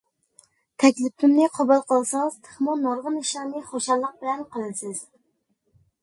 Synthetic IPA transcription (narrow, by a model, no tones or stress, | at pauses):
t̪ʰɛkʲlɪp̚t̪ʰɪmnɪqʰɑbulˠqʰɑlˠsɑŋz̥t̪ʰɨ̥χmɑnːɑɾʁɨnɪʃlæɾnɪχoʃɑlːˠəq̚bɪlænqʰəlˠɨnsɪz̥